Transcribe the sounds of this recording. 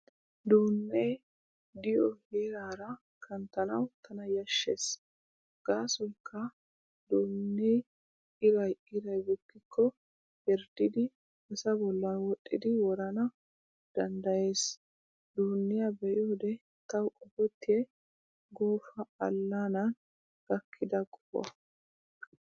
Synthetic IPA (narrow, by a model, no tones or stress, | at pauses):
d̪uːnːej | d̪ɪjɔheːɾaːɾɐ | kʰɐnt̪ɐnɐ̰wt̪ʰɐnɐjɐʃːḛːs | ɡ̥aːsɔjkʰːɐ | d̪uːnːej | ɪɾɐjɪɾɐjbɔkːɪkʰːɔ | hɛɾd̪ɪd̪ɪ | bɛsɐbɔlːɐnwɔʔʼːɪd̪ɪwɔɾɐnɐ | d̪̥ɐnd̪ɐje̞ːs | d̪uːnːɪjɐbɛʔoːd̪ɛ | t̪ɐwʔɔbɔt̪ːɪjɛ | ɡoːfɐɐlːanɐn | ɡ̥ɐkʰːɪd̪ɐkʼʊbɔ̰ɐ